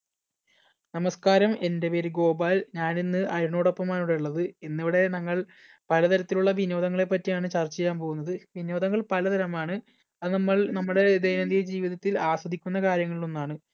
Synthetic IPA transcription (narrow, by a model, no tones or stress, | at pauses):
nɐmɐskaːɾɐme̞nde̞pe̞ːɾuɡo̞ːbaːlɲaːninːɨʔɐɾuɳo̞ːɽopːɐmaːnuɽeuɭːɐðɨenːiʋiɽe̞nɐŋːɐɭ | pɐlɐt̪ɐɾɐt̪ːiluɭːɐʋinoːd̪ɐŋːɐɭe̞pːɐtːijaːɳɨt͡ɕɐrt͡ɕːejːaːmpoːɣunːɐðɨʋino̞ːd̪ɐŋːɐɭpɐlɐt̪ɐɾɐmaːɳɨ | ɐðɨnɐmːɐɭnɐmːuɽe̞d̪ejnɐnd̪ijɐd͡ʑiːʋiðɐt̪ːilaːsʋɐd̪ʱikʲːunːɐkaːɾjɐŋːɐɭilo̞nːaːɳɨ